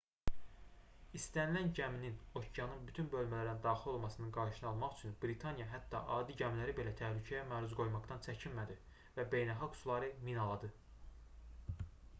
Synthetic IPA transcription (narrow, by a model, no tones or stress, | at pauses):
ist̪ænilænɟæminino̞cʰijɑnɯnbyt̪ʰynbø̞lmælæɾænd̪ɑːxilo̞lˠmɑsɯnɯnɡɑɾʃɯnɯɑlˠmɑχyt͡ʃʰynb̥ɾit̪ʰɑnijɑɦæt̪ʰːɑʔɑːd̪iɟæmilæɾibe̞læt̪ʰæhlycʰæjæmæːɾuzɡo̞jmɑqd̪ɑnt͡ʃʰæcʰinmæd̪i | væbe̞jnælˠxɑɡsulˠɑɾɯminɑlˠɑd̪ɯ